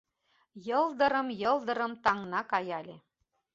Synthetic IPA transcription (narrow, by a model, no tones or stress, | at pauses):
jɤ̆lˠd̪ɤ̆ɾɤ̆mjɤ̆lˠd̪ɤ̆ɾɤ̆mt̪ɑŋnɑkɑjɑlʲe